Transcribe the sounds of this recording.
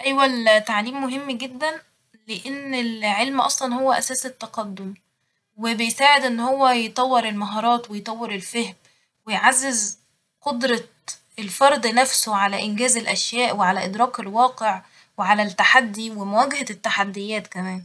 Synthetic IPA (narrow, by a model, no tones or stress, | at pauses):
ʔæjwælt̪aʕliːmːoɦemːɡed̪ːæn | leʔenːelʕelmʔɑ̰sˤlɑnhowːæʔæsæːset̪ːæqɑd̪ːom | webejsaːʕed̪ʔenːhowːæjet̪ˤɑwːeɾelmɑɦɑːɾˤɑːt̪wejt̪ˤɑwːeɾelfehm | wejʕazːez | qod̪ɾˤɑ | elfɑɾˤd̪ˤnæfsoʕalæʔɪnɡæːzelʔæʃjæːʔweʕalæʔɪd̪ɾˤɑːkelwɑːqeʕ | weʕalæt̪ːaħad̪ːiwemæwæːɡhæt̪ːaħad̪ːejːæːt̪kæmæːn